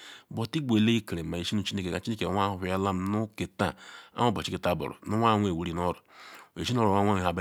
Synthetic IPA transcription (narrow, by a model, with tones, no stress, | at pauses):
bɔ˨ti˦ɡ͡be˨le˦i˦ke˨ɾe˨ma˨e˨ʃi˦nu˨t͡ʃi˦ne˦ke˨ka˨t͡ʃi˦ne˦ke˨ŋʷ˦a˦˨ja˦la˦m˨nu˦ke˨ta̰˦˨a̰˦o˦˨bo˨t͡ʃi˦ke˨ta˦˨bɔ̰˨ɾɔ̰˨nu˦wʷa˦ŋʷ˦e˨we˨˦ɾi˨nɔ˦ɾʊ˨e˨ʃi˦n˦o˦ɾo˨a˦ŋʷ˦a˦˨ɦa˨ba˦